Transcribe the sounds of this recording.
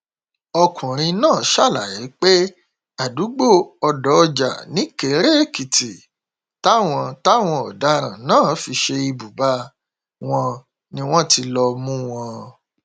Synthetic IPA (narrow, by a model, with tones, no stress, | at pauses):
ɔ˧kʰũ˨ɾ̃ĩ˧nãː˦˨ʃa˦˨la˨ji˨˦k͡pe˦ | a˨du˨˦ɡ͡bo˦˨ɔ˧dɔ˨ɔ˧d͡ʒa̰˨nĩ˨˦ke˨˦ɾe˦˨ki˨ti˨ | ta˦w̃ɔ̃˧ta˦w̃ɔ̃˧ɔ˨da˨˦ɾ̃ã˨nãː˦˨fi˧ʃe˧i˧bu˨ba˦ | w̃ɔ̃˧ | nĩ˦w̃ɔ̃˦ti˧lɔ˧mũ˦w̃ɔ̃˧